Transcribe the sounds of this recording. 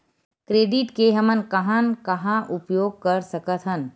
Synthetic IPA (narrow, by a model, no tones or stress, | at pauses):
kɾeːɖɪʈkeɦɐmənkɐɦãnkɐɦãʔʊpjoːɡ̚kəɾsɐkət̪ɦən